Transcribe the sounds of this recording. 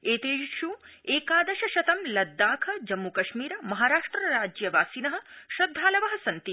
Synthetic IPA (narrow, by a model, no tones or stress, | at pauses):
eːt̪eːʃueːkaːd̪ɐʃɐʃɐt̪ɐmlɐd̪ːaːkʰɐ̆d͡ʒɐmːukɐʃmiːɾɐmɐɦaːɾaːʂʈɾɐɾaːd͡ʒjɐʋaːsinɐɦɐ̆ʃɾɐd̪ʱːaːlɐʋɐɦɐsɐnt̪i